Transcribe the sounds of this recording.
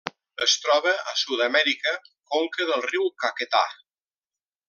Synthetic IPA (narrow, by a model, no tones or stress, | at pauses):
əst̪ɾɔβəəsuðəmɛɾikəkoŋkəðəlˠriwkakət̪a̰